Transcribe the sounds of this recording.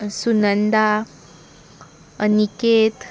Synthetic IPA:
sunənd̪a | əniket̪

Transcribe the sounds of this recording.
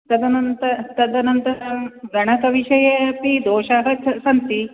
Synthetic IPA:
t̪ɐd̪ɐnɐnt̪ɐt̪ɐd̪ɐnɐnt̪ɐɡɐɳɐkɐʋiʃɐjɐpid̪oːʃaɦɐt͡ʃɐsɐnt̪i

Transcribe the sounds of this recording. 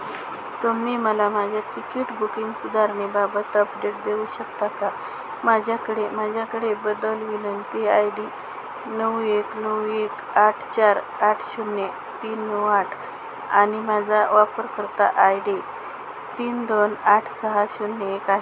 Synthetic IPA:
t̪əmiːməlamad͡ʑʱjat̪ikiʈbukiŋɡsud̪aɾɳibabət̪əpɖeʈ̚d̪euɕəkt̪aka | mad͡ʑʱjakəɽemad͡ʑʱjakəɽebəd̪əlʋilənt̪eajɖi | nəweknəwek | aʈʰt͡ɕaɾ | aʈʰɕunːe | t̪iːnːəwaʈʰ | aɽ̃imad͡zʱaʋapəɾkəɾt̪a̰ʔajɖi | t̪iːnd̪onaʈʰsəɦaɕunːeekaɦe

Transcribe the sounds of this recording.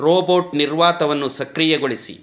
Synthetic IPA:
ɾoːboːʈniɾʋaːt̪ɐʋɐnːusɐkɾijɛɡoɭisḭ

